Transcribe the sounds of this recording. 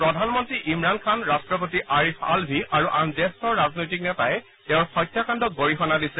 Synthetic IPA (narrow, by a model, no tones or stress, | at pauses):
pɹɔdʱanmɔntɹiʔimɹankʰanɹastɹɔp̬otiʔaɹifa̰lbʱiʔaɹuʔandɛstɔɹɹaznojtik̚nɛtajɛ | tɛʊɹxɔjtʰːakandɔk̚ɡoɹixɔnadisɛ